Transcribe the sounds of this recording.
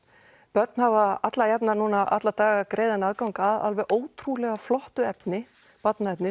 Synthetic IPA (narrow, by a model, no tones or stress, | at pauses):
pœɾt̪n̥havaat̪lajapnanuːnaʔa̰t̪lat̪aːɣakɾeːjðanaðkawŋkaða̰lvɛɣʔoːwt̪ʰɾulɛɣaflɔht̪ʏɛpnɪ | pat̪naɛpnɪ